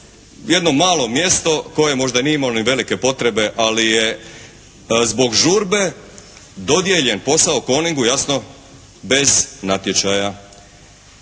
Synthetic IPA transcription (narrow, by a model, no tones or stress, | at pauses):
je̞d̪no̞maːlˠo̞mje̞st̪o̞ko̞jemo̞ʒd̪anieimaloniʋe̞like̞po̞t̪ɾe̞be̞ʔalije | zbo̞ɡʒuɾbe̞ | d̪o̞d̪je̞ʎenpo̞saoko̞niŋɡujasno̞ | be̞znat̪je̞t͡ʃaja